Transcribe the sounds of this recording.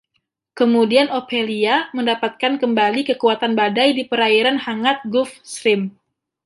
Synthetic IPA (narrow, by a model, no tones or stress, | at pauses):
kəmudianofeliaməndapat̪̚kankəmbalikəkuat̪anbadajdipəɾaiɾanhaŋat̪̚ɡʊfsɾɪm